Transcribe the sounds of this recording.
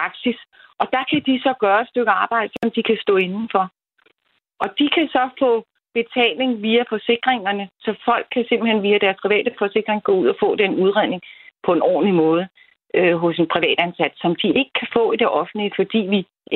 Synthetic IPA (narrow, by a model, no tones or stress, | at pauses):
pɑ̈ɡ̥sis | ʔɒ̽d̥ɑ̈kʰæd̥isɒ̽ɡ̥ɶːɐed̥sd̥øɡ̥əɑ̈ːb̥ɑ̈ɪ̰d̥əsɒ̽md̥ikʰæsd̥ɔ̰̽ːe̝nn̩fɒ̽ | ʔɒ̽d̥ikʰæsɒ̽fɔ̰̽ː | b̥e̝t͡sʰɛ̰ːle̝ŋʋiːæfɒ̽se̝ɡ̥ʁeŋɐnəsɒ̽fɒ̽l̰ɡ̥̚kʰːæse̝m̰b̥l̩henʋiːæd̥æɐspʰʁiʋɛ̰ːd̥əfɒ̽se̝ɡ̥ʁeŋɡ̥ɔ̰̽uð̞̰ˠɒfɔ̰̽ːd̥enuð̞ˠʁene̝ŋpʰɒ̽e̝nɒ̰ːn̩limɔ̽ːð̞ˠə | øɦɔ̽se̝npʰʁiʋɛ̰ːd̥ænsæd̥sɒ̽md̥ie̝ɡ̥əkʰæfɔ̰̽ːid̥e̝ʔɒ̽fn̩lifɒ̽d̥ḭːʋi